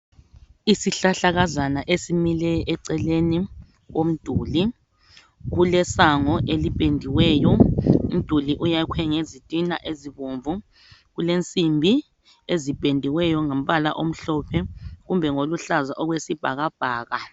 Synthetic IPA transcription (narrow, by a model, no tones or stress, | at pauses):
isiɬaɬaɣazanaʔesimilɛʔɛǀɛleni | ɣom̩d̥ʱuːli | ɣulɛsaŋɔʔelipʼendʱiwɛːjɔum̩d̥ʱuliʔujakʰɛŋezitʼina̰ʔeziβoɱvu | ɣulent͡sʼimbʱi | ezib̥ʱʼendʱiwɛjɔŋom̩βala̰ʔom̩ɬɔpʰɛɣumbʱɛŋoluɬazaʔɔɣwesib̥ʱa̰ɣab̥ʱaːɣa